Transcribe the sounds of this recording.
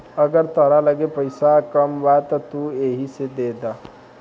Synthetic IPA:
əɡəɾt̪əɾaləɡepəjsakəmʋajt̪ət̪ueɦised̪ed̪a

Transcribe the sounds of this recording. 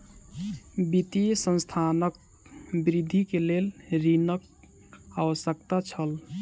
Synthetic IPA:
bit̪isə̃nst̪ʰanək̚ | bɾid̪ʱːikelelɾinək̚ | awəsəkt̪at͡ʃʰəl

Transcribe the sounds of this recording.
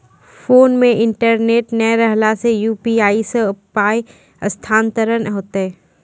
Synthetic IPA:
foːnmẽʔɪɳʈəɾneːʈnɛɾəɦlasejuːpiaːiseʊpaːj | ɐst̪ʰaːnt̪əɾənɦoːt̪eɦɛː

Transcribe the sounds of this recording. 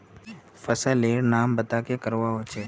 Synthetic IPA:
fɐsəleːɾnaːmbɐt̪akekɐɾʋaɦoːt͡ʃʰeː

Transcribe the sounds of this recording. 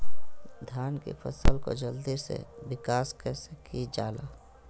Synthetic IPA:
d̪ʱjaːnkḛpʰə̰səlko̰d͡ʒəld̪isḛbɪkaːskɛsekid͡ʒaːlaː

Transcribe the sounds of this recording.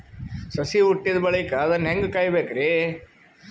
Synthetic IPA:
sɐsiuʈːid̪ɐbɐɭɐkɐːd̪ɐnːɦeŋɡkaːjbeːkɐɾeː

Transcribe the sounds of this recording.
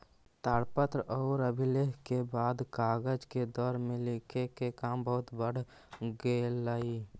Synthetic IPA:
t̪aːɽpət̪ɾɔːɾəbʱɪleːɦkebaːd̪kaːɡəd͡ʒked̪ɔːɾmẽlekʰekekaːmbəɦʊt̪bəɽ̤ | ɡeːlaːi

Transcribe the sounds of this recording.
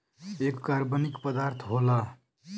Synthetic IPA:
ekkaɾbənikpəd̪aːɾt̪ʰɦola

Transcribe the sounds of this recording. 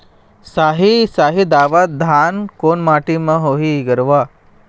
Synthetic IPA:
saɦisaɦid̪aʋat̪̚d̪ʱankonmaʈiməɦoɦiɡəɾʋa

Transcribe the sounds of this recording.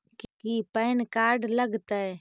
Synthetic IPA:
kkipəɪnkaːɾɖləɡt̪ə

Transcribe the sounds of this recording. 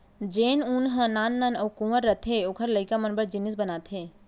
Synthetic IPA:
d͡ʒeːnʊnɦə̃naːnːaːnəwkuməɾːət̪ʰeoːkʰəɾləɪkamə̃nbəɾd͡ʒɪnɪs̬bənaːt̪ʰɦeː

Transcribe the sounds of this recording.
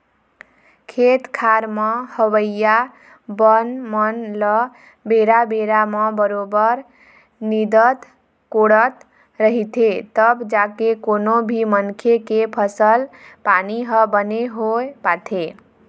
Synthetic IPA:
kʰet̪kʰaɾməhəwəja | bənmənlə | beɾabeɾaməbəɾobəɾ | nid̪ət̪ | koɽət̪ | ɾəɦit̪ʰet̪əbd͡ʒakekonobʱimənkʰekepʰəsəlpaniɦəbəneɦopat̪ʰe

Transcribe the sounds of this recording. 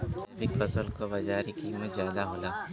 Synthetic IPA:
ɾɪpɐsəlkoʋɐd͡ʒaːɾikiːmət̪zjaːd̪aɦoːlaː

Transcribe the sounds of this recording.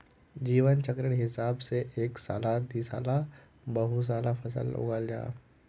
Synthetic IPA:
d͡ʑiːʋənt͡ɕəkɾəɽɦisabseʔeksa̰lad̪isa̰la | bəɦus̬alafəsə̰lṵɡalja̰

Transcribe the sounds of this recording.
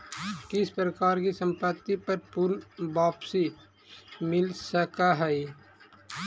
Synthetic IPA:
kɪspɾəkaːɾkisə̃mpət̪ːipɐɾpʊɾnbaːpsi | mɪlsəkaɦɛj

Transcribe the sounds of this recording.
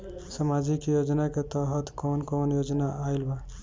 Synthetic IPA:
samad͡ʒikjod͡ʒnaket̪əɦət̪konkonjod͡ʒnaajlba

